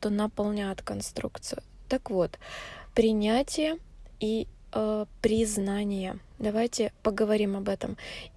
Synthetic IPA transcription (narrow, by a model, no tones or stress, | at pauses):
t̪onəpɐlˠnʲat̪kɐnst̪ɾṵkt̪sɨjʊt̪akvo̞t̪pɾʲɪnʲætʲɪjəi | pɾʲɪznanʲɪjə | d̪ɐvajtʲɪpəɡəvɐɾʲimɐbɛt̪əm